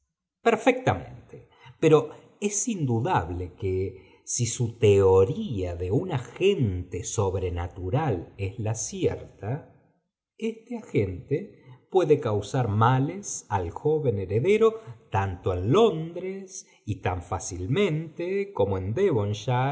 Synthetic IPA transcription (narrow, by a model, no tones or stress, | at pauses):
peɾfek̚t̪amḛ̃nt̪e̥ | peɾo̞ | e̞sind̪uðaβle̞ke | sisut̪e̞oɾiaðe̞unaxent̪e̞so̞βɾenat̪uɾale̞zlasjḛɾt̪a | est̪eaxe̞nt̪epwe̞ðekawsaɾmalesalxo̞βe̞neɾe̞ðe̞ɾo̞t̪ant̪o̞enlo̞nd̪ɾes | it̪aɱfasilmẽ̞nt̪eko̞moe̞nd̪eβonʃa